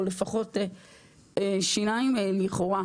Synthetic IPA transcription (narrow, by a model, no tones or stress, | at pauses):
ole̞faχo̞te | eʃinaimliχo̞ʁa